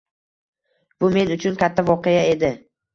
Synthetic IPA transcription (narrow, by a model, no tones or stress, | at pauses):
bʊme̞nʊt͡ʃʰʊnkʲʰat̪ʰːavɒqejae̞d̪ɪ